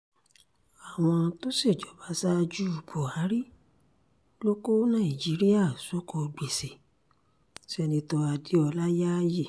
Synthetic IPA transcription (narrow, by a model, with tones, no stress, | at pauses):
a˨w̃ɔ̃˧to˦si˦˨d͡ʒɔ˨˦ba˨˦sa˦˧d͡ʒu˦u˦˨ɡ͡bo˨a˨˦ɾi˦ | lo˦ko˦nãː˦˨i˨d͡ʒi˨˦ɾi˦ja˦˨so˨˦ko˧ɡ͡be˨se˨ | ti˦ɛ˧nĩ˧tɔ˧a˧di˨˦ɔ˧la˦ja˦ji˦˨